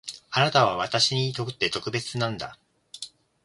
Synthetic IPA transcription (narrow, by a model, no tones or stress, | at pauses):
anat̪aβ̞aβ̞at̪aɕiɲ̟it̪o̞kɯ̟̥t̪ːe̞t̪o̞kɯ̟be̞t͡sɨnãnd̪a̰